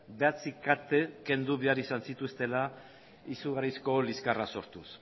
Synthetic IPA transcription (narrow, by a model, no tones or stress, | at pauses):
beat͡sikat̪e̞ke̞nd̪uβe̞aɾisansit̪ust̪e̞la | isuɣaɾisko̞liskaraso̞ɾt̪us